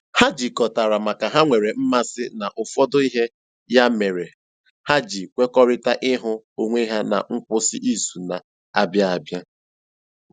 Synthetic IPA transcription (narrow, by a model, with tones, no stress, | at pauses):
ha˦d͡ʒi˨kɔ˨ta˨ɾa˨ma˨ka˨ɦa˦ŋʷe˨ɾe˨m̩˦ma˦sɪ˦na˨ʔʊ˨fɔ˦dʊ˦i˦ɦe˦ | ja˦me˨ɾe˨ | ha˦d͡ʒi˨kʷe˦kɔ˦ɾɪ˦ta˦ʔɪ˦ɦʊ˦ | o˨ŋʷe˦ɦa˦na̰˨ŋ̩˦k͡pʊ˦sɪ˦ʔi˦su˨na˨ | a̰˨bja˦a˨bja˦